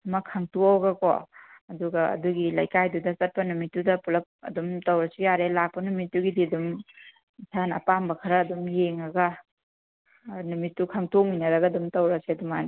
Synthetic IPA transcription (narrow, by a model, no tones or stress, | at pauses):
mɐkʰːɐŋtuawɡɐko̰ɐduɡɐɐ̰duɡilɐjkajdudɐsɐt̚pɐnumitːudɐpulɐp̚ɐ̰dumtɐwɾɐsijaɾelak̚pɐnumitːuɡidiɐdum | isʰanɐpambɐkʰɐɾɐːdumjeŋɐɡɐ | numitːukʰaŋtok̚minɐɾɐɡɐːdumtɐwɾɐseɐduman